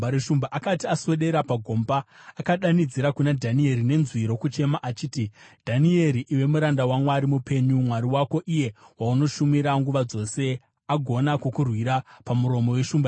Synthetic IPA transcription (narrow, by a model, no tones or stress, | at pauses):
aɾeʃumbaʔakatiaswe̞ɗe̞ɾapaɡʱo̞mbaːkaɗanid͡ziɾakunadʱanie̞ɾine̞nzwiɾo̞kut͡ʃe̞maʔat͡ʃiːtid̥ʱanie̞ɾiʔiwe̞muɾandawamwaɾimupe̞ɲumwaɾiwako̞ʔije̞wauno̞ʃumiɾaŋɡuʋad͡zo̞se̞ | aɡʱo̞nakokurwiɾapamuɾo̞mo̞we̞ʃuːmba